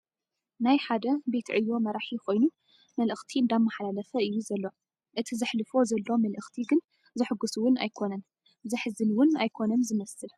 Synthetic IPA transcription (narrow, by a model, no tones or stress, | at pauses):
najħad̪ɐbe̞t̪ʰʕɨjːo̞mɐɾaħikʰo̞jnu | mɐlʔɨxt̪ʰiɨnd̪amːaħalalɐfɐɨjːuzɐlːo̞ | ʔɨt̪ʰizɨħlɨfo̞zɐlːo̞mɐlʔɨxt̪ʰiɡɨn | zɨħɨɡusuwʊna̰jkʰo̞nɐn | zɨħɨzɨnwʊnajkʰo̞nɐmzɨmɐsɨl